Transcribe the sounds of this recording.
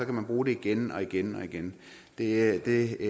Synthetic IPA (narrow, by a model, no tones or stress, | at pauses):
ɒ̽kʰæmænb̥ʁuːɾe̝iɡ̥enɒ̽iɡ̥enɒ̽iɡ̥en | d̥e̝d̥e̝